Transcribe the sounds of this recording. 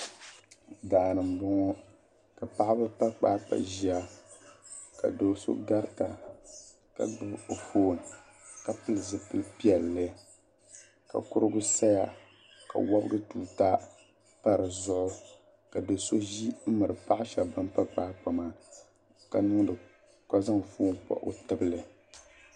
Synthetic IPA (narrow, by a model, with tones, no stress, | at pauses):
daː˨ɾɨ˨m˨bɔ˦ŋɔ˦ | ka˨pa˦ʔa˦bɨ˦pa˦k͡paː˦pa̰˨ʒi˦a˦ | ka̰˨do˨so̰˦ɡa˦ɾta˨ | ka̰˨ɡ͡bɨ˦bo˨foː˦˨n˨ | ka˨pɨ˦lɨ˨zɨ˦pɨ˦pi˦ɛ˨lːɨ˦ | ka̰˨kʊ˦ɾɨ˦ɡʊ˦sa˦ja˦ | ka̰˨wɔ˦bɨ˦ɡɨ˦tuː˨ta˦ | pa˦ɾɨ˨zʊ˦ʔʊ˦ | ka˨do˨so˦ʒi˦m̩˦mɨ˨ɾɨ˨pa˦ʔɪ˦ʃa˨bɨ˦n˦pa˦k͡paː˦k͡pa˨maː˦ | ka˨nɨ˦ŋ˦dɨ˨ | ka˦za˦ŋ˨foː˦n˨k͡pɔ̰˨ʔo̰˦tɨ˦bɨ˦lɨ˨